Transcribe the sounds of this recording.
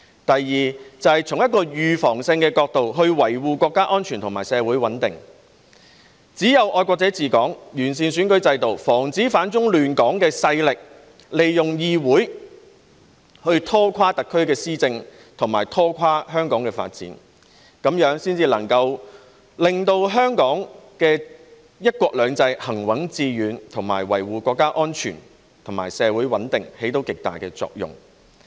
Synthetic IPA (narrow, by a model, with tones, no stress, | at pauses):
t̪ɐ˨jːiː˨t͡sɐ˨˧whɐ˨jt͡sʰʊ˨˩ŋjɐ˥t̚kːɔː˧jyː˨fɔː˨˩ŋsɪ˧ŋkɛː˧kɔː˧k̚t̪o˨wɦɵ˧ɥwɐ˨˩jwuː˨kʷɔː˧kːaː˥ʔɔː˥nt͡ʃʰyː˨˩nt̪ʰʊ˨˩maː˨˩jsɛː˨˧wuː˨˥jwɐ˨˥nt̪ɪ˨ŋ | t͡siː˨˥jɐ˨˧wʔɔː˧jkʷɔː˧k̚t͡sɛː˨˥t͡siː˨kɔː˨˥ŋjyː˨˩nsiː˨nsyː˨˥nkɵ˨˥t͡sɐ˧jt̪o˨wfɔː˨˩ŋt͡siː˨˥faː˨˥nt͡sʊ˥ŋlyː˨nkɔː˨˥ŋkɛː˧sɐ˧jlɪ˨k̚ | le˨jjʊ˨ŋjiː˧wuː˨˥j | hɵ˧ɥt̪ʰɔː˥kʷʰwaː˥t̪ɐ˨kʰːɵ˥ɥkɛː˧siː˥t͡sɪ˧ŋ | t̪ʰʊ˨˩ŋmaː˨˩jt̪ʰɔː˥kʷʰwaː˥ɦœː˥ŋkɔː˨˥ŋkɛː˧fa̰ː˧t̚t͡sḭː˨˥n | kɐ˨˧˥mjœː˨˧˥ŋsiː˥nt͡siː˧lɐ˨˩ŋkɐ˧w | lɪ˨ŋt̪o˧wɦœː˥ŋkɔː˨˥ŋkɛː˧ | jɐ˥t̚kʷɔː˧k̚lœː˨˧ŋt͡sɐ˧jhɐ˨˩ŋwɐ˨˥ŋt͡siː˧jyː˨˧nt̪ʰʊ˨˩ŋmaː˨˩jwɐ˨˩jwuː˨kʷwɔː˧kːaː˥ʔɔː˥nt͡ʃʰyː˨˩n | t̪ʰʊ˨˩ŋmaː˨˩jsɛː˨˧wuː˨˥jwɐ˨˥nt̪ɪ˨ŋhe˨˥jt̪̬o˨˥wkɪ˨k̚t̪a̰ː˨jkɛː˧t͡sɔ̰ː˧k̚jʊ̰˨ŋ